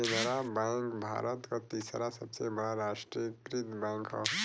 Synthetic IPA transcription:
enəɾabɛ̃ːŋkbʱa̰ːɾət̪kat̪isɾasəbsebɐɽaɾaːʃʈɾijkɾɪt̪bɛ̃ːŋkɦɔ̰

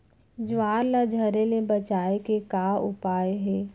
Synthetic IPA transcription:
d͡ʒʊʋaːɾlad͡ʒʱəɾelebɐt͡ʃaːekekaːʊpaːeɦɛː

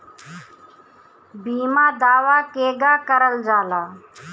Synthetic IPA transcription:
biːmãːd̪aːʋaːkeːɡaːkəɾəld͡ʒaːlaː

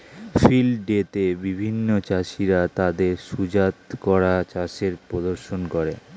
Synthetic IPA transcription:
filɖet̪ebibʱinːot͡ɕaʃiɾat̪ad̪eɾʃud͡ʑat̪kɔɾat͡ɕaʃeɾpɾod̪oɾʃonkoɾe

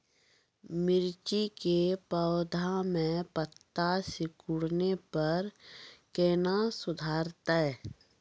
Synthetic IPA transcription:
mɪɾt͡ʃikepəːʊd̪ʱamẽpət̪ːasɪkʊɽnepɐɾkeːnasʊd̪ʱaːɾt̪aɛ

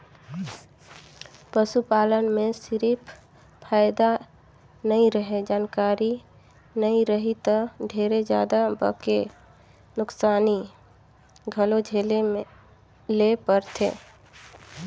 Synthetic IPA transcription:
pəsupaːlənmẽsɪɾiːpʰ | pʰaːɪd̪a | nəĩɾəɦed͡ʒaːnkaːɾi | nəĩɾəɦit̪əɖʱeːɾed͡ʒja̰ːd̪abə̰ke | nʊksaːni | ɡʱəlod͡ʒʱeleme | lepəɾt̪ʰḛː

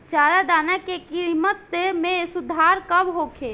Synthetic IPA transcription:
t͡ʃaːɾad̪aːnakekimət̪mẽsʊd̪ʱaːɾkəbɦokʰe

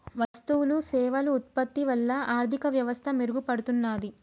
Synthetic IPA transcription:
ʋɐst̪uwulusɛːʋɐluːt̪̚pɐt̪ːiʋɐlːɐaːɾt̪ikɐʋjɐʋɐst̪ʰɐmeɾuɡupɐɽut̪unːaːd̪i

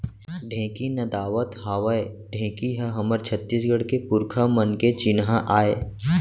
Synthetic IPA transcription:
ɖʱẽːkinɐd̪aːʋət̪ɦaːʋəe | ɖʱẽːkiɦɐɦɐməɾt͡ʃʰət̪ːiːsɡəɽkepʊɾkʰamənket͡ʃɪnɦãʔaːeː

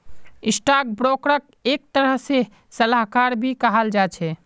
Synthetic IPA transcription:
isʈak̚bɾokɾək̚ | ek̚t̪əɾəɦse | səlaɦkaɾbʱikəɦəld͡ʒat͡ʃʰɛ

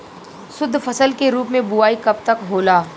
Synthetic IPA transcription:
sʊd̪ʱːfɐsəlkeɾuːpmẽbʊaːikɐp̚t̪ɐkɦoːlaː

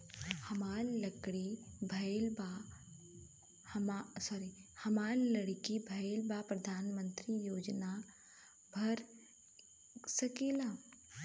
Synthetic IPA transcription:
hɐmaːɾlɐkɽibʱɐelba | masɔːɾihɐmaːɾlɐɽkibʱɐelbapɾɐd̪ʱaːnmə̃nt̪ɾijoːd͡ʒna | bʱɐɾ | sɐkela

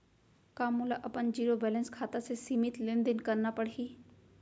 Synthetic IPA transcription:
kaːmulaʔɐpənd͡ʒiːɾobɛːlə̃nskʰaːt̪asesimɪt̪lẽnd̪ɪnkəɾnapəɽɦiː

